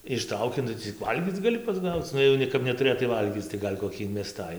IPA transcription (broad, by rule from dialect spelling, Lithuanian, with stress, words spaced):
ɪʃˈtrɐʊkʲɪ ˈnʊ t͡sʲɪk ˈʋɐlʲɡʲiːt͡s ɡɐˈlʲɪ pɐzˈɡɐʊt͡s ˈnʊ jɛʊ ˈnʲɛ kɐp nʲɛtʊˈrʲeːtɐɪ ˈʋɐlʲɡʲiːt͡s tɐɪ ˈɡɐlʲ koːˈkʲiː ɪnʲmʲɛˈstɐɪ